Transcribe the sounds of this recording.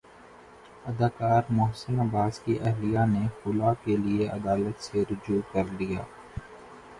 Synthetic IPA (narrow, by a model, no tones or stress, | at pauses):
ɐd̪aːkaːɾmʊɦsənɐbaːskiʔɐɦlijanexʊlakelieɐ̰d̪aːlət̪seɾʊd͡ʒuːkɐɾd̪ija̰ː